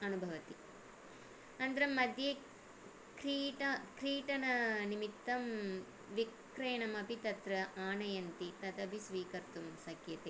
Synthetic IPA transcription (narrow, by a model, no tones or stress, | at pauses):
ɐnubʱɐʋɐt̪i | ɐnd̪ɐɾɐmɐd̪ʱje | kɾiːʈɐkɾiːʈɐnɐnimit̪ːɐm | ʋik | ɾɐjɐnɐmɐpit̪ɐt̪ɾɐʔaːnɐjɐnt̪it̪ɐt̪ɐbʱisʋiːkɐɾt̪umsɐkjɐt̪e